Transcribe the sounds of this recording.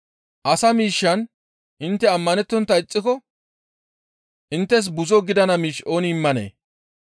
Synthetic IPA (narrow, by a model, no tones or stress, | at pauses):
ʔɐsɐmiːʃːɐn | ʔɪnt̪ːɛɐmːɐnɛt̪ːɔnt̪ːɐɪt͡sʼːɪkɔ | ʔɪnt̪ːɛs̬bʊzɔɡɪd̪ɐnɐmiːʃo̞ːnɪɪmːɐnḛː